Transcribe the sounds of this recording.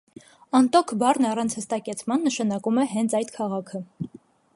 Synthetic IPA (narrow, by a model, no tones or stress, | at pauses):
ɑnt̪ɔkʰbɑrnɑrɑnt͡sʰhəst̪ɑkɛt͡sʰmɑnːəʃɑnɑkumɛɦɛnt͡sʰɑjt̪kʰɑʁɑkʰə